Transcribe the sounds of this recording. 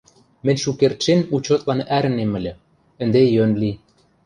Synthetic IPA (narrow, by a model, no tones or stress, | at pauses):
mɘ̆nʲʃukert̪ʃenut͡ɕot̪lɑnæɾɘ̆nemɘ̆lʲɘ̆ | ɘ̆nd̪ejønli